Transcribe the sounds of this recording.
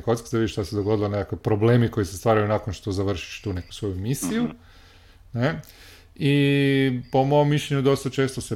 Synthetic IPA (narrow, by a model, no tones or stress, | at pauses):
kot̪skizaid̪iʃt̪ased̪oɡo̞d̪ilˠonekakʋipɾobleːmiko̞jisest̪ʋaːɾajunakonʃt̪ozaʋr̩ʃi̥ʃt̪uːne̞ku̥sʋo̞jumisiju | ne | i | po̞moomːiʃʎeɲud̪o̞st̪at͡ʃe̞ːst̪ose